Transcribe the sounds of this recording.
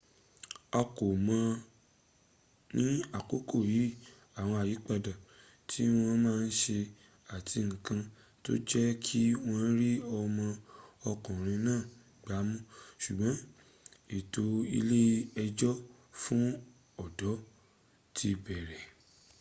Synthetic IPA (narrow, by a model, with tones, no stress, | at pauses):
ɔ˧ko˨mã˧ | nĩ˦a˨ko˨˦ko˦˨ji˨˦ | a˦˨w̃ɔ̃˧a˨ji˨˦k͡pa˧da˨ | tʰi˦w̃ɔ̃˧mãː˦˧n̩˦ʃe˧ | a˨tʰi˧ŋ̩̃˨kã˧ | to̰˦d͡ʒɛ˦kʰi˦w̃ɔ̃˧˦ɾi˦ɔ˧mɔ̃˧ɔ˧kɔ̃˨ɾ̃ĩ˧nãː˦˨ | ɡ͡ba˨˦mũ˦ʃu˨ɡ͡bɔ̃˨˦ | e˨to˨˦ḭ˧le˦ɛ˧d͡ʒɔ˦ | fũ˦ | ɔ˦˨dɔ˨˦ | tʰi˧bɛ˨ɾɛ˨